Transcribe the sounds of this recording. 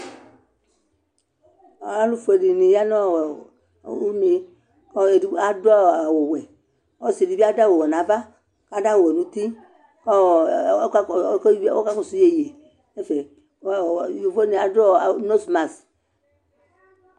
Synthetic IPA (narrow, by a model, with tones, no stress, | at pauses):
a˦lu˦fu˨e˨di˨ni˨ja˦nɔ˦˨w | u˦ni˨ | kɔ˦˨i˦a˨dɔ˦a˨wo˨wɛ˨ | ɔ˦si˨di˨bi˦a˦da˦wo˨wɔ˨na˨˦va˦ | ka˦da˦wo˨wɛ˨nũ˨t̪i˦ | kɔ˦˨˦ | ko̰˦ka˦kɔ˨su˦je˦˨je˨ | ne˦fe˨˦˨ | o˨fo˦ni˨a˨dɔ˦a˨˦no˦sma˨s